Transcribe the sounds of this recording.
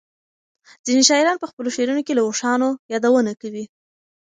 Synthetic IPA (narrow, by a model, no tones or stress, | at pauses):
z̥ineʃɑɪɾɑnpəxpəloʃeɾunokelawoʂɑnojɑd̪awənakawi